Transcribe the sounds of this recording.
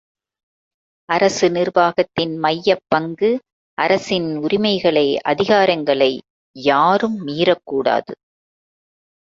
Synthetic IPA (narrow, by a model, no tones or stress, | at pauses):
ʔɐɾɐsɯnɪrʋaːɣɐt̪ːɪnmɐjːɐpːɐŋɡɯ | ʔɐɾɐsɪnʊɾɪmɐɪɣɐɭɐɪʔɐ̰ðɪɣaːɾɐŋɡɐɭɐɪ | jaːɾɯmːiːɾɐkːuːɽa̰ːðɯ̰